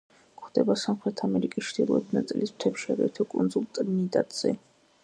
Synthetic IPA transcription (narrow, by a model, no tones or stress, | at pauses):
kʰχd̪̥ɛbasamχɾɛt̪ʰamɛɾikʼist͡ʃʰd̪ilˠɔɛt̪ʰnat̪sʼilism̥t̪ʰɛpʃaɾɛ̰t̪ʰɔkʼund̪zulˠt̪ʼɾnid̪ʼa̰t̪ʼz̥ɛ̰